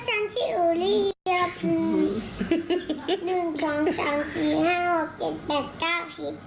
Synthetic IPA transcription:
t͡ɕʰa˧nt̪ʰiː˥˩ʔuː˧˨˩liː˥˩ɔ˧pʰɯː˧˩ | nɯ˨˩ŋsɔː˩˦ŋsɔː˩˦ŋsiː˨˩haː˥˩ho˨˩k̚t͡ɕe˨˩t̪̚pɛː˨˩t̪̚kaː˥˩wsi˨˩p̚

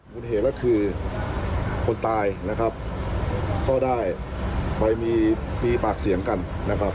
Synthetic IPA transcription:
mu˧˩nɦeː˨˦˩kaː˥˩kʰɯː˧ | kʰo˧nt̪aː˧jna˦˥kʰa˦˥p̚ | kɔː˥˩daː˥˩jba˧˩jmiː˧miː˧paː˨˩k̚si˨˩˦əŋka˧nna˦˥kʰa˦˥p̚

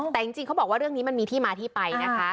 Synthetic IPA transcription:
t̪ɛː˨˩t͡ɕi˧ŋt͡ɕi˧ŋkʰa˦˥wbɔː˨˩k̚waː˥˩ɾɯ˥˩əŋniː˦˥ma˧nmiː˧t̪ʰiː˥˩maː˧t̪ʰiː˥˩pa˧jna˦˥kʰa˦˥

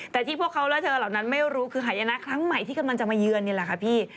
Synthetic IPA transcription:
t̪ɛː˨˩t̪ʰiː˥˩pʰu˥˩kʰːa˦˥wlɛ˦˥˩t̪ʰɤː˧laː˨˩wna˦˥nma˥˩jɾuː˦˥kʰɯː˧ɦaː˨˩˦ja˧na˦˥kʰɾa˦˥ŋma˨˩jt̪ʰiː˥˩ka˧nma˧nt͡ɕa˨˩maː˧jɯ˧ənːi˥˩la˨˩kʰa˦˥pʰiː˥˩

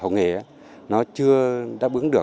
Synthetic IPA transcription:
ə̰˨˧˨wŋḛ˧˩˦ | nɔ˨˦t͡ɕɨ˧əɗa̰ː˧˥ɓɨ˨˦əŋɗɨ˨˩ə

